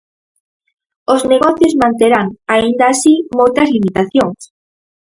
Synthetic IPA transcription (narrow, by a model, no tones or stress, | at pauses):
ozneɣ̞ɔθjozmãnt̪eɾaŋaind̪aːsimojt̪ɐzlimit̪aθjoŋs